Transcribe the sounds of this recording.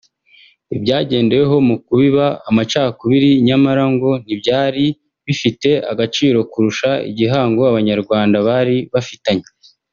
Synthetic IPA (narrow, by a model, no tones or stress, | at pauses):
ibɟaːɟe̞ːnde̞weɦo̞mukuβiβaːmat͡ʃaːkuβiɾiɲamaɾaŋɡo̞n̥ibɟaːɾi | βifite̞a̰ɡat͡ʃiːɾo̞kuɾuʃaḭɟiɦaːŋɡoaβaɲaɾɡwaːndaβaɾiβafitaɲe